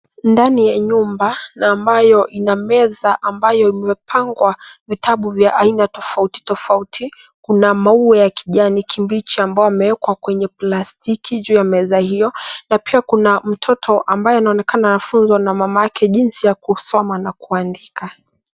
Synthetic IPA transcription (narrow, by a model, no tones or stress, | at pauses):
ndanijaɲumbanaːmbajɔʔinamɛzaʔambajɔimɛpʰaŋɡwavitʰaɓuvjaʔainatɔfauti̥tɔfauti | kunamauɛjakiʄanikʰimbit͡ʃiambaɔamɛwɛkwakwɛɲɛplastikʰiʄuːjamɛzahijɔnapiakunam̩tʰɔtʰɔʔambajɔanaɔnɛkananafunzɔnamamajakɛʄinsijakusɔmanakuandika